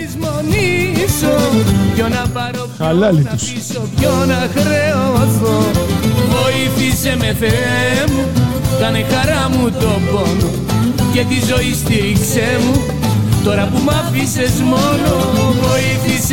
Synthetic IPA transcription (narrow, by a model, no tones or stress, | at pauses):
izmonisoconɐpɐɾopɐlɐlit̪is | sopçonɐxɾe̞ooθovo̞iθise̞me̞θeɾemukɐnexɐɾɐmut̪o̞bo̞no | ce̞t̪izo̞ist̪iɾikse̞mu | t̪o̞ɾɐpumɐfise̞zmo̞novo̞iθis